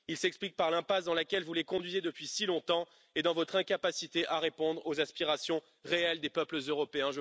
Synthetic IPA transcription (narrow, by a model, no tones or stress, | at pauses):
ilsɛksplik̚paʁlɛ̃pasd̪ɑ̃lakʲɛlvulekɔ̃d̪ɥized̪əpɥisilɔ̃t̪ɑ̃ | ed̪ɑ̃vɔt̪χɛ̃kapasit̪eʔaʁepɔ̃d̪ʁozaspiʁasjɔ̃ | ʁeɛld̪epœpləzøʁɔpeɛ̃ʒ